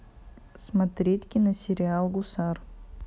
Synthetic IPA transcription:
smɐt̪ɾʲetʲkʲɪnɐsʲɪɾʲɪalˠɡʊsar

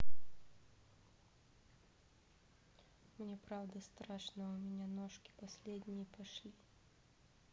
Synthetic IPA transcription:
mnʲɛpɾawd̪ɐst̪ɾaʂnɐumʲɛnʲanɔʂkʲi̥pasʲlʲed̪ʲnʲijipaʂlʲi

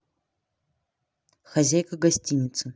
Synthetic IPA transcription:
xazʲajkʰɐɡɐsʲtʲʰinʲɪt͡sʰɨ

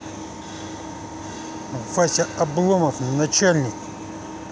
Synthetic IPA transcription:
vasʲɐɐblˠoməfnɐt͡ɕalʲnʲik

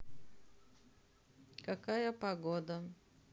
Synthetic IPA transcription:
kɐkajəpɐɡɔd̪ə

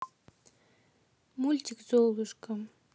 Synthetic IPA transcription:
mulʲt̪ʲikzolˠɨʃka

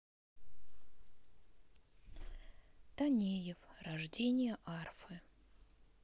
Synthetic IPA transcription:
t̪ɐnʲejɪfrɐʐdʲenʲɪjəʔarfɨ

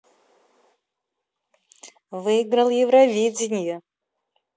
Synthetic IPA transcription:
vɨɪɡrɐlˠjɪvɾɐvʲid͡zʲɪnʲɪjɛ

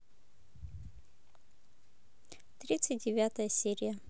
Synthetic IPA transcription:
t̪ɾʲit̪sɨt̚ʲdʲɪvʲat̪ɐjəsʲeɾʲɪjɐ

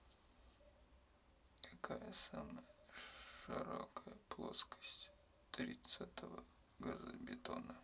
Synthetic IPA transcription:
kʰɐ̥kajəsaməjəʂɨɾokəjəplˠoskə̥sʲtʲ | t̪ɾʲit̪sat̪ʰəvə | ɡɐzɨbʲɪt̪onə

